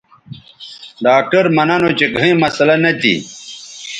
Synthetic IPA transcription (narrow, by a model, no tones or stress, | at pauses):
ɖaːk̚ʈɐɾmɐnanot͡ɕeɡʱɐ̃ĩmɐsɐlɐnɐt̪ḭ